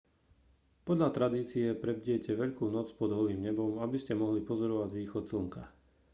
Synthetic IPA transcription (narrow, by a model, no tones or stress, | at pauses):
pɔd̪ʎat̪ɾad̪iːt͡siɛpɾɛb̚ɟɪɛcɛʋɛʎkuːnɔt͡spɔd̪ɦɔliːmɲɛbɔmabiscɛmɔɦlipɔzɔɾɔʋaɟʋiːxɔt̪zl̩ŋka